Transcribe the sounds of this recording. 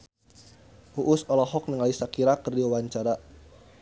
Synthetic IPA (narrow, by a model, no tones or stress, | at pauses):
ʔuʔʊsɔlɔɦɔk̚nəŋalisakiɾakərdiwawaɲt͡ʃaɾa